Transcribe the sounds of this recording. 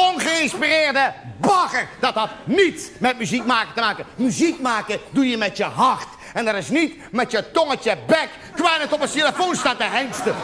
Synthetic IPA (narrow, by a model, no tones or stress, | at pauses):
onɣəɪnspirɪːrdəbɑɣərd̥ɔtɦɔtnitmɛt̚myzik̚maːkətəmaːkəmyzik̚maːkədujəmɛtjəɦɑrt | ɛndɔɾɪsnit | mɛtjətɔŋətjəbɛk | kwɛnətɔpəsteləfoːnstatəɦɛŋstə